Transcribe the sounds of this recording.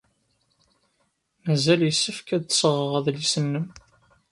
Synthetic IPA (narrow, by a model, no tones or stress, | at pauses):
mæzæljəsːəfkæd̪θsəʁəʁæðlisənːəm